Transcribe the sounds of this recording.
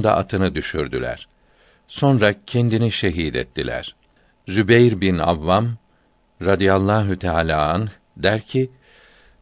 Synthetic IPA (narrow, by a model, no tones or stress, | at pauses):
nd̪a̰ʔat̪ʰɯnɯd̪yʃyɾd̪y̰lʲæ̰ɾ̥ | so̞nɾacʰɛnd̪iniʃeɦiːd̪ɛ̰t̪ʰːilʲæ̰ɾ̥ | zybejɾbina̰vːam | ɾad̪ijalˠːaːɦut̪ʰaːlʲaːanx | d̪æɾcʰi